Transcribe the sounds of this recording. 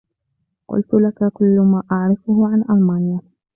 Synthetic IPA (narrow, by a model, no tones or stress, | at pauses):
qʊ̰lt̪ʊlakakʊlːʊmaːʔaʕɾɪfʊhʊʕanʔalmaːnɪja